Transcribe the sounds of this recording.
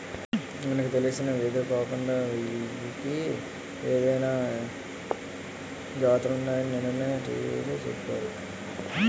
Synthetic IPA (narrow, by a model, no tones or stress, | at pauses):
mɐnɐkit̪elisinɐʋed̪ɐkaːkuɳɖaːiiki | eːd̪ɐjnaː | d͡ʒaːt̪ɾunːaːjɐninenɐnːeːʈḭːʋḭːt̪oːt͡ʃṵpːaːɾu